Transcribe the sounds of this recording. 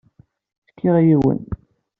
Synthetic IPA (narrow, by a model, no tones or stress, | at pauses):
θkʰːiʁjiwə̰n